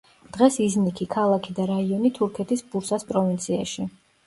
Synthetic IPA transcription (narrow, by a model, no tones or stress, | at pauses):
d̪̥ʁɛsiznikʰikʰalˠakʰid̪aɾaiɔnit̪ʰuɾkʰɛt̪ʰisbuɾsaspʼɾɔvint̪sʰia̰ʃi